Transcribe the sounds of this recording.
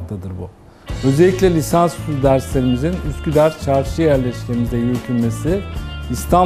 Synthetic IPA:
d̪ad̪ɯɾbu | ø̞zeːicʲlʲɛlʲisanspulud̪æɾslʲe̞ɾimizinyscʰʲyd̪æɾt͡ʃʰaɾʃɯjæɾlʲɛʃlʲeɾimizɛjyɾcʰynme̞siist̪ʰa

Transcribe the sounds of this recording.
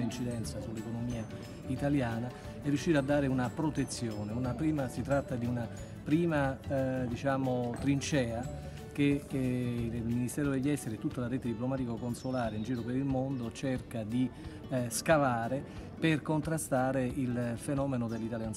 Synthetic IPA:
int͡ʃid̪ɛnt̪sasulːekonomiːa | it̪aljaːna | ɛrːjuʃːiːɾad̪ːaːɾeunapɾot̪et̪sːjoːneunapɾiːmasit̪ɾat̪ːad̪iuna | pɾiːmad̪it͡ʃaːmot̪ɾint͡ʃɛːa | k̟e | ilminist̪ɛːɾod̪eʎːiɛst̪eɾit̪ːut̪ːalaɾɛt̪ed̪iplomaːt̪ikokonsolaːɾeind͡ʒiːɾopeɾilmond̪ot͡ʃerkad̪i | skavaːɾeperkont̪ɾast̪aːɾeilfenɔːmenod̪elːit̪aljan

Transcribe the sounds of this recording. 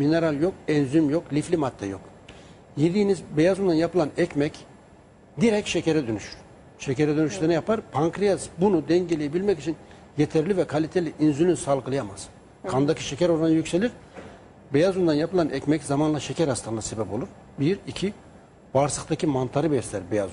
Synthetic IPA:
mineɾalʲˠjo̞kɛnzymjo̞klʲiflʲimat̪ʰːɛjo̞̰k | jiɾd̪iːnizbejazumd̪anjapɯlˠanɛcmɛc | d̪iɾɛcʃeceɾɛd̪ønyʃyɾ | ʃeceɾɛd̪ønyʃlʲeɾnijapaɾpʰaŋkɾijazbunud̪ɛɲɟelʲejebilʲmɛcit͡ʃʰin | jet̪ʰɛɾlʲivɛkʰalʲit̪ʰelʲiʔinzylʲynsalˠɡɯlˠɯjamaz̥ | kʰand̪acʰi̥ʃecæɾoɾˠanjycʲse̞lʲiɾ̥ | bejazumd̪anjapɯlˠanʔɛcmɛczamanlˠaʃecʰæɾhast̪ʰanˠase̞bɛpo̞lˠuɾ | biɾicʰi | vaɾsɯxt̪ʰacʰimant̪ʰaɾɯbɛst̪ʰæɾbeja̰zu

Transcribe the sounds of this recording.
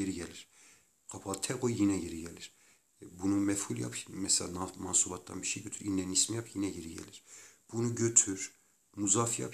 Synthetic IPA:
eɾiɟɛliɾ̥ | qʰapʰɑlt̪ʰɛqojjinɛɟeɾiɟɛliɾ̥ | bunumɛfhulˠja̰pʰmɛsɛla̰namansubɑt̪̚d̪a̰nbiʃejɟøt̪ʰyɾinːɛnismjapʰjinɛɟeɾiɟɛ̰liɾ̥b̥unuɟøt̪ʰyɾ | muzafja̰p

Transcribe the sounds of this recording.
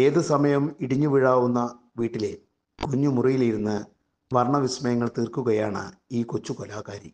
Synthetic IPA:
e̞ːðɨsɐmɐjɐmiɽiɲːuʋiɻaːʋunːɐ | ʋiːʈːile̞ | kuɲːumurijiliɾunːɨ | ʋɐrɳɐʋismɐjɐŋːɐɭt̪iːrkuɣɐjaːɳɨ̰iːkot͡ɕːukolaːkaːɾi

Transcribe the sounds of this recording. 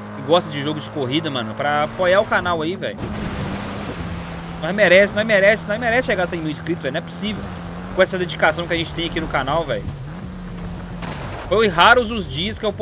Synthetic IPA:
ɪɡɔst̪ɐd͡ʒɪʒoɡʊd͡ʒɪkoɦid̪ɐmɐ̃nʊpɾɐapojaʊkanawaivɛ̰jʊ | nɐ̃ɛmeɾɛsɪnɐ̃w̃ɛmɛɾɛsɪnɐ̃ɛ̃mɛɾɛsɪʃeɡaɾsẽj̃mew̃iskɾit̪ʊvɛjñɛpʊ̥sivew | kõɛsɐd̪ed͡ʒikasɐ̃w̃kɪɐʒẽnt͡ʃɪ̥t̪ẽj̃akinʊkanawvɛ̰jʊ | fojɪɦaɾʊzʊzd͡ʒiɐskɪewp

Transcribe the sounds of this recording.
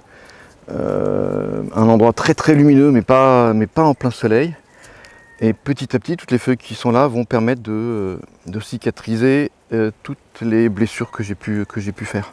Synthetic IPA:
ø̰ | ɛ̰̃nɑ̃d̪ʁwat̪χɛt̪χɛlyminømɛpamɛpaɑ̃plɛ̃sɔlɛj | epət̪it̪ap̚t̪it̪ut̪lefœjkʲʰisɔ̃lavɔ̃pɛʁmɛt̪χd̪ə | d̪əsikʲat̪χize | øt̪ut̪leblesyːʁkəʒepykʰəʒepyfɛːʁ

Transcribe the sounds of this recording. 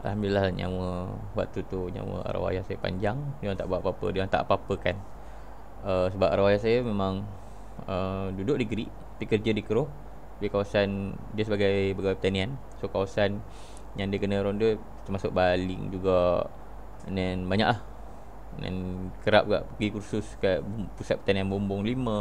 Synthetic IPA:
ʔa̰lhamdulilahɲa̰wə | wa̰ʔt̪ut̪uɲã̰wə̰a̰ɾa̰wa̰jahsajəpa̰ɲd͡ʒaŋdəaŋt̪a̰ʔbuaʔpapə̰dəaŋt̪a̰ʔpapəkan | əsəbap̚aɾawajahsajəmemãŋ | ədudʊʔ̚diɡɾi | apikərd͡ʒədikəɾʊh | dəkawasan | diəsəbaɡajbaɡawpə̥t̪anian | sokawasan | jaŋdiəkənəɾɔndə | t̪əmasʊʔ̚baliŋd͡ʒuɡa | nanbaɲa̰ʔlah | na̰nkəɾap̚ɡa̰ʔɡikursʊskaʔpusat̪̚pə̥t̪anianbɔmbʊŋlimə̃

